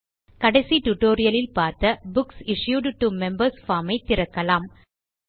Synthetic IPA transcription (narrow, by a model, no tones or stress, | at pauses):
kɐɽɐɪsiʈʊʈːoːɾɪjɐlɪlpaːɾt̪ɐbʊksɪʂjuːɖʈumɛmbɐɾsfaːmɐɪt̪ːɪɾɐkːɐlaːm